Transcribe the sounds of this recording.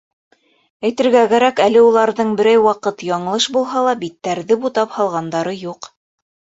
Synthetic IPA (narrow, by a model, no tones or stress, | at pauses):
æjt̪ɘ̆ɾɡækæɾækælɘulˠɑɾðɤɴbɘ̆ɾæjwɑqɤt̪jɑɴɤ̆lˠɤʃbulˠɦɑlˠɑbit̪ːæɾðɘbut̪ɑphɑlˠʁɑnd̪ɑɾɤjuq